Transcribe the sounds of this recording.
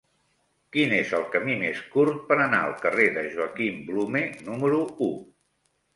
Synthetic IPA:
kinezəlˠkəmimeskuɾt̪̚pəɾəna̰ə̰lˠkəreðəʒuəkimblumenuməɾuu

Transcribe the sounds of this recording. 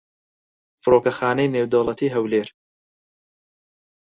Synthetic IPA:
fɨɾoːkɐxaːnejneːwd̪owlˠɐt̪ʰiːɦɐwleːɾ

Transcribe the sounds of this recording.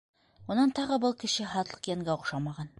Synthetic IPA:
unɑnt̪ɑʁɤbɤlˠkɘ̆ɕɘχɑt̪lˠɤ̥qjæŋɡæoqʃɑmɑʁɑn

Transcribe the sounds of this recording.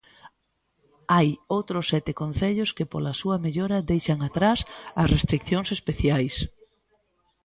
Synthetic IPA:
ajowt̪ɾʊsːɛt̪ɪkonθeʎʊskɪpolɐsuɐmeʎoɾɐd̪ejʃɐŋat̪ɾasɐsrest̪ɾik̚θjoŋsespeθjajs

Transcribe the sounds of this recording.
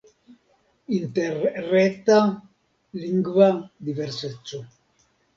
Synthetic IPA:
int̪erret̪a | liŋɡad̪iveɾset͡ʃːu

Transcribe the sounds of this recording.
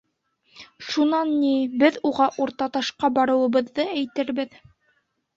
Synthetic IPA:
ʃunɑnːibɘðuʁɑʔuɾt̪ɑt̪ɑʃqɑbɑɾɤ̆wɤ̆βɤ̆ðːɤæjt̪ɘɾbɘð

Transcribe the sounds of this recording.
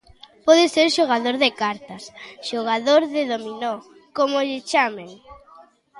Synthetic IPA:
pɔðɪseɾʃoɣ̞aðoɾðɪkaɾt̪ɐsʃoɣ̞aðoɾðɪðominɔ | komoʎɪt͡ʃameŋ

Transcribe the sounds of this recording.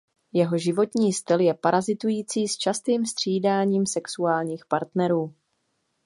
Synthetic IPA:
jɛɦo̞ʒɪvo̞t̪ɲiːst̪ɪljɛpaɾʔazɪt̪ujiːt͡siːst͡ʃast̪iːmst̪r̝̥iːdaːɲiːmsɛksuaːlɲiːxpaɾt̪nɛɾuː

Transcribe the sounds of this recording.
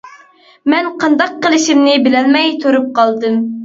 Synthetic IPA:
mɛnqʰɑnd̪ɑqːəlˠɨʃimnɪbɪlɛnmɛjt̪ʰoɾup̚qʰɑlˠd̪ɨm

